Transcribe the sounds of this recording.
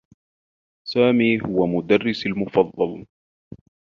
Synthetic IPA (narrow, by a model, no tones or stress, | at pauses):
saːmiːɦʊwamʊd̪arːɪsalmʊfɑðˤːɑl